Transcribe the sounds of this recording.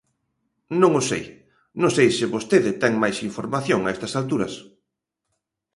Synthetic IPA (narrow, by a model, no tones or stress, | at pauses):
nõŋosḛj | nõŋsejsɪβost̪eðɪt̪ɛŋmajsiɱfoɾmaθjoŋaɛst̪ɐsalt̪uɾɐs